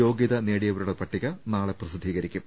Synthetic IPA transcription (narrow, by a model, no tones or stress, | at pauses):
o̞ːɡjiðɐneːɽijɐʋɐɾuɽepɐʈːiɣɐnaːɭeprɐsid̪ʱːiːɣɐɾikʲːum